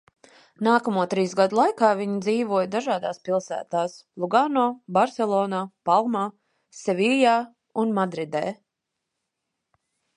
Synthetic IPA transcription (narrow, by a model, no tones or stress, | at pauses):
naːkamuɔt̪ɾiːsɡad̪ulˠajkaːvʲiɲid̪ziːvuɔjd̪aʒaːd̪aːspilˠsæ̰ːt̪aːslˠuɡanɔːbaɾsɛlˠɔːnaːpalˠmaː | sɛvijaː | unmad̪ɾid̪ḛː